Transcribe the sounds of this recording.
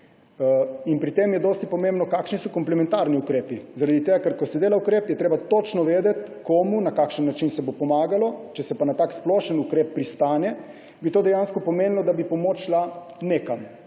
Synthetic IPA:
inpɾit̪emjɛd̪oːst̪ipɔmẽmbnɔkakʃnisɔkɔmplɛmɛ̃nt̪aɾniukɾeːpizaɾad̪it̪eːɡakɛɾkɔsɛd̪eːlaukɾeːpjɛt̪ɾeːbat̪ot͡ʃnɔʋeːd̪ɛt̪koːmunakakʃənːat͡ʃinsɛbopɔmaːɡalɔt͡ʃɛsɛpanat̪aːksploːʃənukɾeːpːɾist̪aːnɛ | bit̪oːd̪ɛjanskɔpɔmeːnlɔd̪abipɔmoːt͡ʃla | neːkam

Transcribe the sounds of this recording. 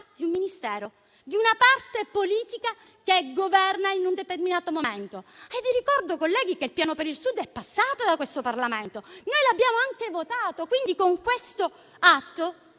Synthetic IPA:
d̪̥iumminist̪ɛːɾo | d̪iunapart̪epoliːt̪ika | keɡovɛrnainund̪et̪erminaːt̪omoment̪oajd̪iɾikɔrd̪okolːɛːɡikeilpjaːnopeɾilsud̪ːɛpːasːaːt̪od̪akwest̪oparlament̪onoːjlabːjaːmoaŋkevot̪aːt̪okwind̪ikoŋkwest̪o | at̪ːo

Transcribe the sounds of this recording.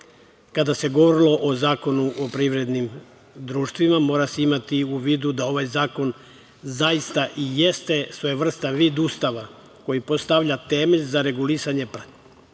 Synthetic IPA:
kad̪ase̞ɡoʋoɾilo̞ʔozaːko̞nuʔopɾiːʋɾe̞d̪nim | d̪ɾuːʃt̪ʋimamo̞ːɾaseimat̪iuʋiːd̪ud̪ao̞ʋajzaːko̞n | zaist̪aʔije̞st̪e̞sʋoeʋr̩st̪aʋiːd̪uːst̪aʋa | ko̞jipo̞st̪aʋʎat̪e̞ːmeʎzaɾe̞ɡulisaɲe̞pɾa

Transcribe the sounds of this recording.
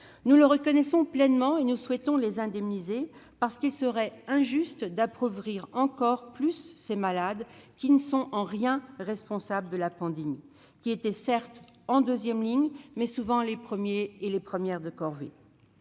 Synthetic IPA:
nuləʁəkɔnɛsɔ̃plɛnmɑ̃enuswɛt̪ɔ̃lezɛ̃d̪ɛmnizepaʁsə̥kilsəʁɛɛ̃ʒyst̪d̪apχɔvʁiʁɑ̃kɔʁplysːemalad̪kʲinəsɔ̃ɑ̃ʁjɛ̃ʁɛspɔ̃sabləd̪əlapɑ̃d̪emi | kʲiet̪ɛsɛʁt̪ | ɑ̃d̪øzjɛmliɲmɛsuvɑ̃lepχəmjeːlepχəmjɛʁd̪əkɔʁvḛ

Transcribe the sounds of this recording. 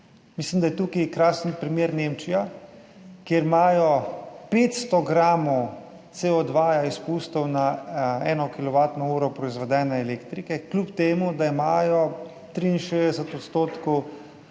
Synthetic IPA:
mislimd̪ajɛt̪ukikɾaːsənpɾimjeːɾneːmt͡ʃija | kjeɾimaːjɔpeːt̪st̪ɔɡɾaːmɔ | t̪seɔd̪ʋaːjaispust̪ɔwnaɛːnɔkilɔʋaːt̪nɔuːɾɔpɾɔizʋɛd̪ɛːnɛːleːkt̪ɾikɛklʲupt̪eːmud̪aimaːjɔ | t̪ɾiinʃeːzd̪ɛsət̪ɔt̪st̪oːt̪kɔw

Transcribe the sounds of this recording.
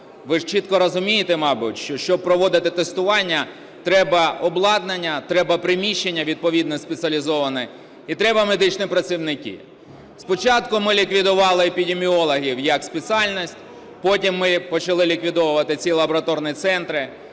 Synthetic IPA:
ʋɪʒt͡ʃit̪kɔɾɔzʊmʲijɪt̪ɛmɑbʊtʲʃt͡ʃɔʃt͡ʃɔb̚pɾɔʋɔd̪ɪt̪ɪt̪est̪ʊʋɑnʲːɐ | t̪ɾɛbɐɔblˠɑd̪nenʲːɐt̪ɾɛbɐpɾɪmʲiʃːenʲːɐʋʲid̪̚pɔʋʲid̪nɔspʲet̪t͡s̪ʲɐlʲizɔʋɐnɛ | it̪ɾɛbɐmed̪ɪt͡ʃnɪpɾɐt͡sʲiwnɪkʲḭ | spɔt͡ʃɑt̪kʊmɪlʲikʋʲid̪ʊʋɑlˠɪepʲid̪ʲemʲiɔlˠɐɦʲiwjɐkspʲet͡s̪ʲɑlʲnɔsʲtʲ | pɔtʲimːɪpɔt͡ʃɐlˠɪlʲikʋʲid̪ɔwʊʋɐt̪ɪt͡sʲilˠɐbɔɾɐt̪ɔrnʲit̪sɛnt̪ɾɪ

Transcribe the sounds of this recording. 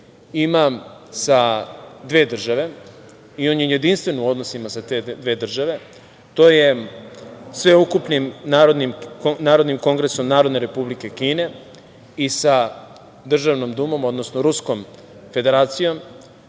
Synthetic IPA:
imasad̪ʋe̞ːd̪r̩ʒaʋe̞ | io̞ːnjeunje̞d̪inst̪ʋe̞nuo̞d̪nosimasat̪ed̪ʋe̞ːd̪r̩ʒaʋe̞ | t̪o̞ːje̞ | sʋe̞ukupnimnaːɾod̪nimnaːɾod̪nimko̞ŋɡɾeso̞mnaːɾo̞d̪ne̞ɾe̞publike̞kiːne̞ | isa | d̪r̩ʒaʋnomd̪umo̞mo̞d̪nosnoɾusko̞m | fe̞d̪e̞ɾaːt̪sijo̞m

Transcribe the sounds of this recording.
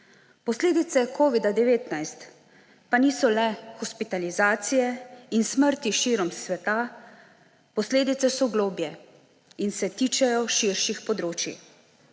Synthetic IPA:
pɔsleːd̪it̪sɛkʰoːʋid̪ad̪ɛʋeːt̪najst̪ | paniːsɔlɛxɔspit̪alizaːt̪sijɛinsməɾt̪iʃiːɾɔmsʋɛt̪a | pɔsleːd̪it̪sɛsɔɡloːbjɛ | insɛt̪iːt͡ʃɛjɔʃiɾʃixpɔd̪ɾoːt͡ʃḭ

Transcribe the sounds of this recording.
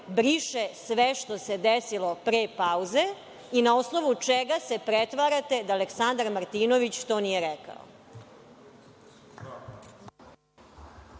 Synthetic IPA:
bɾiʃesʋeʃt̪o̞se̞d̪esilo̞pɾeːpauze̞ | inao̞snoʋut͡ʃeɡase̞pɾet̪ʋaɾat̪e̞d̪aːleksand̪aɾmaɾt̪inoʋit͡ɕt̪onijeɾɛka̰o̰

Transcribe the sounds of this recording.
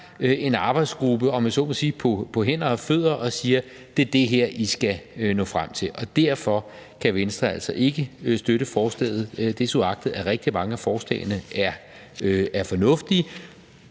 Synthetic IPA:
e̝nɑ̈ːb̥ɑ̈ɪd̥sɡ̥ʁub̥əɒ̽mænsɔ̰ːmsiːpʰɒ̽pʰɒ̽ɦen̰ɐɒfø̰ð̰ˠʁɐʔɒ̽siːɐ | d̥e̝ɐd̥e̝ɦeɐ̰ʔisɡ̥æønɔ̰̽ːfʁam̰t͡sʰe̝lʔɒ̽d̥æɐ̰fɒ̽ | kʰæʋensd̥ʁɐæl̰sɒ̽ʔe̝ɡ̥əsd̥øɾəfɒːsl̥ɛ̰ːð̩ˠød̥e̝suɑ̈ɡ̥̚d̥ð̩ˠæɐʁɛɡ̥̚d̥imɑ̈ŋəæfɒːsd̥ɛ̰ːɪnəæɐ | øæɐfɒ̽nɔ̽fd̥i

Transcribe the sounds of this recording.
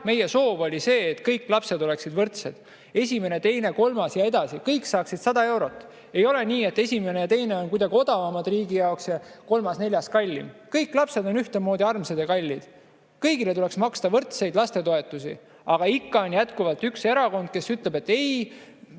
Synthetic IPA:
me̞je̞so̞ːvo̞lʲise̞ːt̪kɤjkːˑlɑpse̞d̪̥o̞le̞ksid̪vɤrt̪se̞d̪̥ | e̞sʲime̞ne̞t̪e̞jne̞ko̞lmɑsjɑe̞d̪̥ɑsikɤjkːsɑːksid̪̥sɑd̪̥ɑe̞wɾo̞t̪ːˑ | e̞jo̞le̞niːe̞t̪ːe̞sʲime̞net̪e̞jne̞o̞nkujd̪ɑɡio̞d̪ɑvɑmɑd̪riːɡijɑoksjɑko̞lmɑsne̞lʲjɑskɑlʲːḭmkɤjkːˑlɑpse̞d̪o̞nyht̪emo̞ːd̪ʲiɑrmsed̪ekɑlʲːid̪̥ | kɤjɡile̞t̪uleksmɑkst̪ɑvɤrt̪se̞jd̪lɑst̪e̞t̪o̞e̞t̪ːˑusḭ | ɑɡ̥ɑikːɑonjæt̪kuvɑlt̪ykse̞ɾɑko̞nd̪̚ke̞syt̪ˑle̞be̞t̪ːe̞j

